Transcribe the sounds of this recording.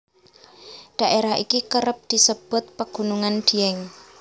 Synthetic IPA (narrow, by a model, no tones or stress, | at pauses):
ɖ̪̥a̤ʔeɾaɦikikəɾəp̚d̪̥i̤səb̥ʊ̤t̪̚pəɡ̥unuŋand̪̥i̤ɛŋ